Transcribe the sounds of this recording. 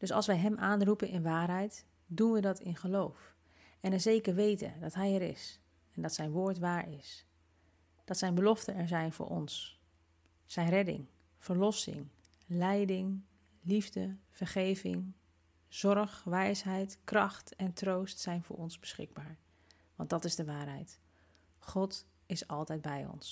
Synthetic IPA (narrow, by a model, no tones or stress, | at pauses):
d̥ɵsɑ̰lˠsʋɛjɦɛmʔaːnrupənʔɪnʋaːɹɦɛjt | dunʋədɑtɪnχəlowf | ɛnəzejkəɹʋejtə̰dɑtɦɛjɛɾɪ̰s | ɛndɑtsɛjnʋʊːɹtʋaːɹɪs | d̥ɑtsɛjnbəlɔftənɛɹzɛjnvʊ̰ːɹʔɔ̰ns | ɛjnrɛdɪ̰ŋ | v̥əɹlɔsɪ̰ŋ | lɛjdɪŋ | livdəv̥əɹχejvɪ̰ŋ | z̥ɔɹχʋɛjsɦɛjtkrɑχtɛntrowstsɛjnvʊ̰ːɹɔnzbəsχɪɡ̚baːɹ | ʋɑ̰ndɑtɪzdəʋaːɹɦɛjt | χɔt | ɪsɑlˠtɛjd̚bɛjɔ̰ns